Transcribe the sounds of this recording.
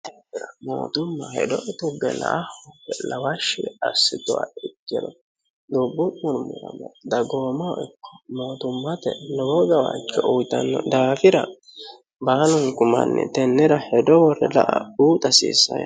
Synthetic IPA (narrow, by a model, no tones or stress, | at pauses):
t̪ɪɾɐmo̰ːt̪ʊmːɐhɛ̰d̪ɔʔɛt̪ʊɡɛnɐ̰ʔhɔpːɛlɐwɐʃɪɐsːɪt̪ɔwaɪk̪ːɛd̪ɔ | d̪ubːʊtːʊnʊmʊlɐ̰mɛd̪ɐɡoːmɐɪkːɔ̥moːt̪ʊmːɐt̪ɛnɔwɔɡɐwa̰kːɛʔʊjt̪ɐnːɔd̪aːfɪɾɐ | banɔnkʊmɐ̰nːɛ̰t̪ɛnːɛɾɐhɛd̪ɔwɔrɛlɐʔɐ̰uːt̪ʼɐsḭːsːɐjɐ̰